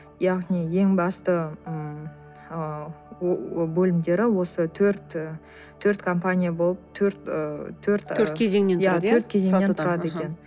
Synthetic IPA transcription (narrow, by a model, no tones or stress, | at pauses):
jɑʁnije̞ŋbɑst̪əəm | bɵlɪmd̪e̞ɾɪwo̞sət̪ʰɵɾt̪ | t̪ʰːɵɾt̪kʰo̞mpanʲijabo̞lˠəp̚t̪ʰɵɾt̪t̪ʰːɵɾt̪ɵɾkʲʰezeŋnenjat̪ʰɵɾt̪̚kʲʰezeŋet̪ʰʊɾɑd̪əekʲe̞n